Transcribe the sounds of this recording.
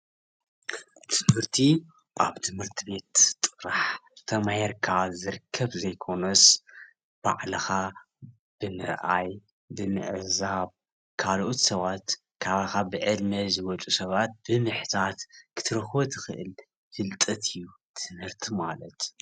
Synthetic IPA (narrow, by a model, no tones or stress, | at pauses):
t̪ʰɨmhɨɾt̪ʰi | ʔaβt̪ʰɨmhɨɾt̪ʰɨbe̞t̪tʼɨɾaħt̪ʰɐmaheɾkʰazɨɾkʰːɐβzɐjkʰo̞nɐs | b̥a̰ʕlɨxa | b̥ɨmɨɾʔaj | bɨmɨ̰ʕzaβ | kʰalʔot̪sɐβat̪ | kʰaβaxabɨʕɨd̪mɐzɨwɔt͡ʃʼusɐβat̪̚bɨmɨħt̪ʰat̪kʰɨ̥t̪ʰɨɾɐxbot̪ʰɨxɨʔɨ̰l | fɨlt̪ʼɐt̪ʰɨjːu | t̪ʰɨmhɨɾt̪ʰimalɐt̪